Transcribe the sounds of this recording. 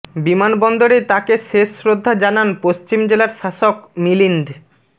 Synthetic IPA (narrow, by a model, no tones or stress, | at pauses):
bimanbɔnd̪oɾet̪akeʃeʃːɾod̪ʱːad͡ʑananpost͡ɕimd͡ʑelaɾʃaʃokmilind̪